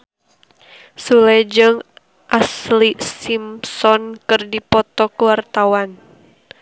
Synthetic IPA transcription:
suled͡ʒəŋ | ʔaslisimsɔnkɨrdipɔt̪ɔkəwart̪awan

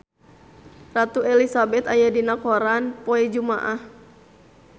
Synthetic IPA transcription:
rat̪uɛlisabɛt̪ajadinakɔɾanpɔɛd͡ʒuma̰ʔah

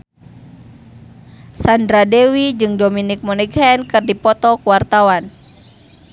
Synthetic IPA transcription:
sandɾadɛwid͡ʒɨŋdɔminik̚mɔnɛɡaɛnkɨrdipɔt̪ɔkuwart̪awan

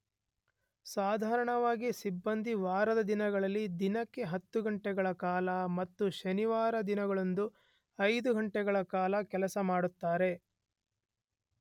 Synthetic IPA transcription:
saːd̪ʱaːɾɐɳɐʋaːɡisibːɐnd̪ʱiʋaːɾɐd̪ɐd̪inɐɡɐɭɐlːid̪inɐkːe̞ɦɐt̪ːuɡɐɳʈɛɡɐɭɐkaːlɐmɐt̪ːuʃɐniʋaːɾɐd̪inɐɡɐɭo̞nd̪u | ɐjd̪uɡɐɳʈɛɡɐɭɐkaːlɐkɛlɐsɐmaːɽut̪ːaːɾe̞

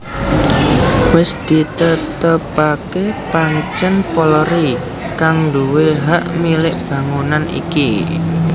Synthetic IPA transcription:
wɪsd̪̥i̤t̪ət̪əpakepaŋt͡ʃənpɔlɾi | kaŋɳɖuweɦaʔmilɪʔb̥ä̤ŋunanḭki

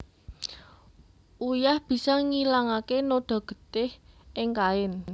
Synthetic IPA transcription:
ʔujahb̥i̤sɔŋilaŋakenoɖ̪̥a̤ɡ̥ə̥̤t̪ɪhʔɪŋkaɪn

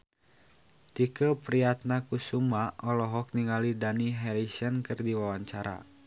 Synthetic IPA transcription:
t̪ikəpɾiat̪̚nakusumaʔɔlɔɦɔk̚niŋalidaniɦɛɾisənkɨrdiwawaɲt͡ʃaɾa̰

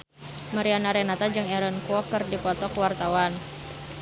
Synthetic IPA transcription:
maɾianaɾɛnat̪ad͡ʒɨŋɛɾənkuɔkərdipɔt̪ɔkwart̪awan

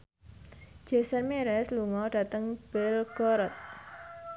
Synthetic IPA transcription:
d͡ʒ̥e̤sərmeɾɛsluŋɔɖ̥ä̤t̪əŋb̥ɪlɡ̥ɔɾɔt̪̚

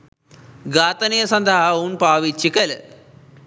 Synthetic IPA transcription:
ɡaːt̪ɐnijɐsɐnd̪ʱaɦɐunpaːʋit͡ʃːikɐl

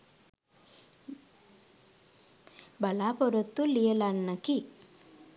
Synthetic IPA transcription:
bɐlaːpɔɾɔt̪ːulijelanːɐki

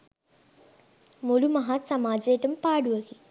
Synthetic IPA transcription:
molumɐɦat̪sɐmaːd͡ʒeeʈəmpaːɖuʋɐki

